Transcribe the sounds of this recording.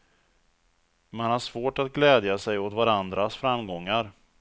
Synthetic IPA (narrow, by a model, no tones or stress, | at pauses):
manhaʂvoːʈat̪̚ɡlɛːd̪jasɛjot̪vaɾand̪ɾasfɾamːɡɔŋːaɾ